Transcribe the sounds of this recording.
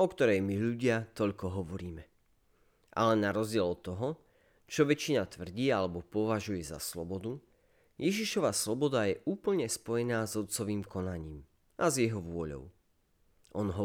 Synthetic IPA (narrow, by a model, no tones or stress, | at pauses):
ʔɔkt̪ɔɾɛjmiʎuɟɪat̪ɔʎkɔɦɔʋɔɾiːmɛ | ʔa̰lɛnaɾɔzɟɪɛlɔt̪ːɔɦɔ | t͡ʃɔʋɛt͡ʃːinat̪ʋr̩ɟiːalɛbɔpɔʋaʒujɛza̰slɔ̰bɔd̪u | jɛʒiʃɔʋaslɔbɔd̪ajɛʔuːpl̩ɲɛspɔjɛnaːzɔt̪t͡sɔʋiːmkɔnaɲiːm | ʔazjɛɦɔʋʊɔʎɔ̰ʊ | ʔɔnɦɔ